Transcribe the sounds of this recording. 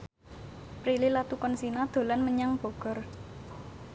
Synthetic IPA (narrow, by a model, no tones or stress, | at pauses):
pɾililat̪ukɔnsinad̪̥o̤lanməɲaŋb̥o̤ɡ̥ɔ̤r